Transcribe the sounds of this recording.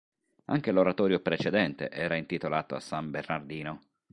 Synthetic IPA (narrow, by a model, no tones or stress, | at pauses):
a̰ŋk̟eloɾat̪ɔːɾjopɾet͡ʃed̪ɛnt̪ḛʔɛːɾaint̪it̪olaːt̪oa̰sːambernard̪iːno